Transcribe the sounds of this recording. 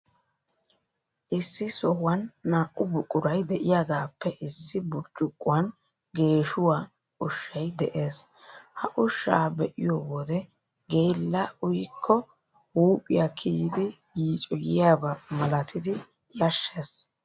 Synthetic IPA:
ʔɪsːɪsɔhʊwɐnːaːʔʼʊbʊkʼːʊɾɐjd̪ɛʔɪjaːɡaːpːɛʔɪsːɪbʊɾt͡ʃʼʊkʼːʊwɐn | ɡe̞ːʃʊwaː | ʊʃːɐjd̪ɛʔe̞ːs | hɐʔʊʃːa̰ːbɛʔɪjoːwɔd̪ɛ | ɡejlːɐʊjɪkʰːɔ | huːpʼɪjakʰiːɪd̪ɪ | jiːt͡ʃʼɔjɪjaːbɐmɐlɐt̪ʰɪd̪ɪ | jɐʃːe̞s

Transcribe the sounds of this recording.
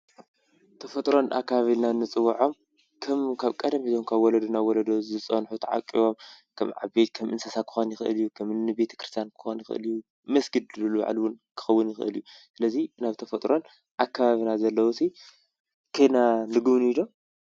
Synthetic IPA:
t̪ʰɐfɐt̪ʼɾo̞na̰kːaβaβinanːɨt͡sʼɨwːaʕo̞m | kʰɐmkʰaβkʼɐd̪ɐmizomkʰaβwɔlɐd̪ɐnawɔlɐd̪ozɨt͡sʼɐnħut̪ʰɐʕa̰kʼḭβo̞m | kʰɐmʕa̰bet̪̚kʰɐmʔɨnsɐsakʰɨ̥xo̞njɪxɨʔɨ̰ljːukʰɐmnɨbe̞t̪ʰɐ̥kʰɾɨst̪ʰjankʰɨ̥xonjɪxʔɨ̰lju | mɐsɡɨd̪ɨlɨluβa̰ʕlwʊnkʰɨ̥xɐwːʊnjɪxʔɨ̰ljusɨlɐzinaβt̪ʰɐfɐt̪ʼɾo̞n | ʔakʰːaβaβinazɐlːɐwusi | kʰejnanɨɡɨβnid̪o̞

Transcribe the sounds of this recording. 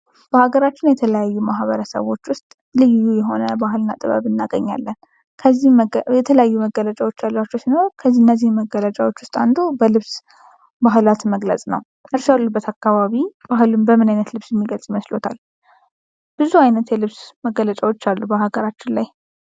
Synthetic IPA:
b̥əhaɡəɾat͡ʃːɪnjɛt̪ʰələjajːumaɦβəɾəsə̰βwo̞t͡ʃːwʊst̪ʼ | lɨjːujɛɦo̞nəbaɦɨlɨnːat̪ʼɨβə̰βɨnːaɡəɲːa̰lːən | kʰəzːijɛt̪ʰələjajːuməɡələt͡ʃʼawo̞t͡ʃːalːat͡ʃːɛwsinəɾkʰəzːihɨnːəzːihmːəɡələt͡ʃʼawo̞t͡ʃːwʊst̪ʼand̪ubəlɨβs | baɦɨlat̪məɡlə̰sʼnə̰w | ʔɨɾsalubːət̪ʰakːaβaβib̥aɦɨlumbəmɨnajnət̪lɨβsjɛmːiɡəlsʼiməslot̪ʰal | b̥ɨzuajnət̪jɛlɨβsməɡːələt͡ʃʼawo̞t͡ʃːalːubəhaɡəɾat͡ʃːɪnlaj

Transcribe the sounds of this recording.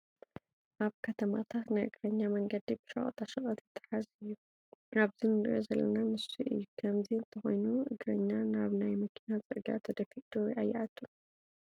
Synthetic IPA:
ʔaβkʰɐt̪ʰɐma̰t̪ʰat̪najʔɨɡɾɐɲːamɐŋɡɐd̪ibɨ̥ʃɐ̰χʼɐ̰t̪ʰaʃɐχʼɐt̪jɛt̪ʰːɨ̥ħazɨjːu | aβzinɨɾʔozɐlːɐ̰namɨsiʔɨ̰jːukʰɐmziɨnt̪ʰɐxo̞̰jnuʔɨɡɾɐɲːanaβnajmɐkʰinazʼɨɾɡa̰t̪ʰɐd̪ɐfiʔd̪̥oʔajːɛʔat̪ʰːun

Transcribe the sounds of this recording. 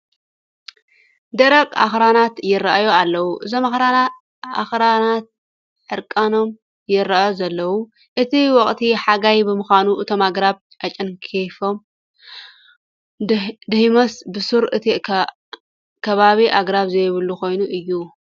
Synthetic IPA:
d̪ɐɾɐkʼa̰xɾanat̪jɪɾːaʔjoalːɐwuʔɨzomaxɾaa | a̰xɾanat̪̚ | ħɨɾkʼano̞m | jɪɾːaʔjozɐlːɐwu | ʔɨt̪ʰiwɔχʼt̪ʰiħaɡajbɨmɨxanuʔɨt̪ʰo̞maɡɾaβ | ʔat͡ʃʼɐnkʰefom | d̪ɨhimɐsbɨsuɾɨt̪ʰi | kʰɐβaβiʔaɡɾaβzɐjβɨlːuko̞jnuʔɨjːu

